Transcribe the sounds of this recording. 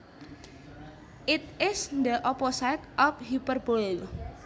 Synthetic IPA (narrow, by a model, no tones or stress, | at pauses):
ʔɪt̪̚ɪsd̪əʔɔpɔsat̪ʔɔfhjupərbɔl